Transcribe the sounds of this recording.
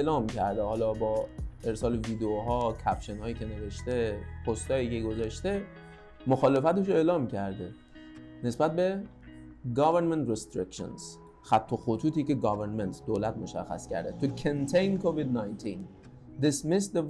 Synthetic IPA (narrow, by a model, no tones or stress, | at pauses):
lɒːmcʰæɾd̪ehɒːlɒːbɒːeɾsɒːleviːd̪eoɦɒːcʰæpʃenhɒːjiːcʲe̞ne̞ve̞ʃt̪e̞pʰost̪ɒːjiːce̞ɡozɒʃt̪e̞ | moxɒːle̞fæt̪eʃ̬oe̞ːlɒːmcʰæɾd̪e | ne̞sbæt̪̚be̞ | ɡɒːveɾment̪ɾest̪ɾekʲʃo̰nz̥ | xæt̪ʰːoxot̪ʰuːt̪iːce̞ɡɒveɾnment̪ʰd̪oːlæt̪moʃæ̰xːæ̰scæ̰ɾd̪et̪ʰukʰent̪ʰejnkʰovid̪nɑjnt̪ʰin | d̪ismesd̪e